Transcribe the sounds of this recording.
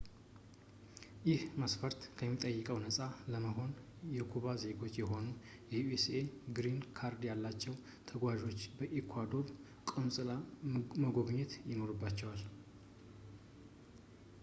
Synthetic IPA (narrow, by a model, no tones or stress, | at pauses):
jɪhməsfəɾt̪kʰəmːit̪ʼəjːɨkʼəwnəsʼaləməɦo̞n | jɛkʰuβaze̞ɡo̞t͡ʃːjɛɦo̞nu | jɛjueseɡɾinkʰaɾd̪jalːat͡ʃːɛw | t̪ʰəɡwaʒo̞t͡ʃːbəʔikʰwad̪o̞β | kʼɨnsʼɨlaməɡo̞βɲːɪt̪jɪno̞ɾɨbːat͡ʃːɛwal